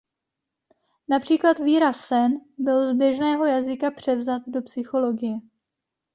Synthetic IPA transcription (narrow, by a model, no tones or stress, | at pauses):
napr̝̥iːklat̪viːɾasɛnbɪlzbjɛʒnɛːɦo̞jazɪkapr̝̥ɛvzat̪do̞psɪxo̞lo̞ɡɪjɛ